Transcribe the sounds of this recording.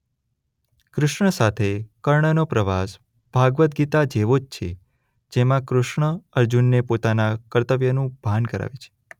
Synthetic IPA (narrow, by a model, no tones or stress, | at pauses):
kɾʊʃɳəsat̪ʰekəɾɳənopɾəʋas | b̥ʱaɡʋət̪̚ɡit̪ad͡ʒeʋod͡ʒt͡ʃʰḛ | d͡ʒemãkɾʊʃɳəəɾd͡ʒunːepot̪anakəɾt̪əʋjənũb̥ʱankəɾa̰ʋet͡ʃʰe̥